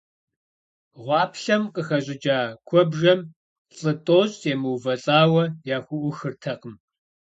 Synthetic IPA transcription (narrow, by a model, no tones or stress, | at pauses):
ʁʷɑːpɬɐmqəxɐɕʼɪd͡ʒaːkʷʰɔbʒɐm | ɬʼɨtʼoːɕʼemɨwvɐɬʼaːwɐjaːxʷʊʔʷʊxɨrtʰɐqəm